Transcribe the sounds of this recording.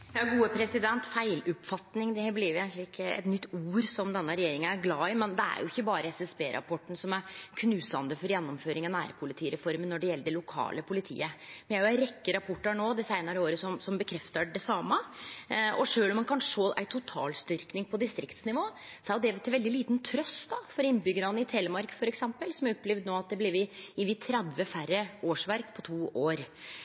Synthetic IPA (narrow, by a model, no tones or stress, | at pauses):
jɑːɡuːəpʰɾɛsɪd̪ɛnt̪fæɪlʉpfɑt̪nɪŋd̪ɛhebliːjʊjæɡ̪k̪lɪɪkʰːəɛ̰t̪nʏt̪ːuːɾsɔmd̪ɛnːəɾɛjeːɾɪŋənæɾɡlɑːɪmɛnd̪ɛæ̰ɾjʊ̰ɪçːəbɑːɾəɛsɛsbeːɾʔɑ̰pʰɔʈːn̩sɔmæɾkʰnʉːsɑnd̪əfɔɾjɛnːɔmføːɾɪŋɑnæːɾpʰʊlɪt̪ʰiːɾɛfɔɾmənːɔɖɛjɛlːəɖɛlʊkʰɑ̰ːləpʰʊlɪt̪ʰḭːəmɛnjæhɑɾjʊæɪɾɛkːəɾɑpʰɔʈːəɳoːd̪ɛsæɪnəɾəoːɾəsɔmsɔmbəkʰɾɛft̪əɖɛsɑːmə | ɔʂøːlɔmːɑnkʰɑnʂʂoːʔæ̰ɪt̪ʰʊt̪ʰɑ̰ːlst̪ʏɾknɪŋpʰɔd̪ɪst̪ɾɪkt̪snɪʋoː | sɔæɾd̪ɛʋt̪ʰːɪlʋɛld̪ɪliːt̪n̩t̪ʰɾœst̪d̪ɑfɔɾɪnːbʏɡəɾɑnːəɪt̪ʰɛːləmɑɾkfɔɾɛksɛmpəlsɔmæɾɔpːlɛʋd̪noːɑt̪̚d̪ɛblɪʋɪɪʋit̪ʰɾæd̪ʋəfæɾːəoːʂʋæɾkpʰɔt̪ʰuːʔoːɾ